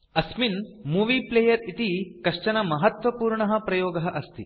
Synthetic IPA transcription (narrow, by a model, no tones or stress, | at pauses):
ɐsminmuːʋiːpleːjɐɾit̪ikɐʂt͡ʃɐnɐmɐɦɐt̪ʋɐpuːɾɳɐɦɐpɾɐjoːɡɐɦɐʔɐst̪i